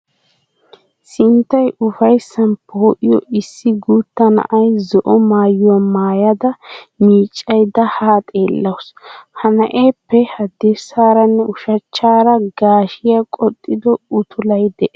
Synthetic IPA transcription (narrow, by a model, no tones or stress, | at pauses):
sɪnt̪ːɐjʔʊfɐjsːɐnpʰoːʔɪjɔɪsːɪɡuːt̪ːɐnɐ̰ʔɐjzɔʔɔmaːjːɔmaːjɐd̪ɐmiːt͡ʃʼːɐjd̪ɐhaːt̪ʼe̞ːlːɐwshɐnɐʔeːpːɛhɐd̪esaːɾɐnːɛʊʃɐt͡ʃːaːɾɐɡaːʃɪjɐkʼɔt̪ʼːɪd̪ɔʊt̪ʰʊlɐjd̪ɛʔɛ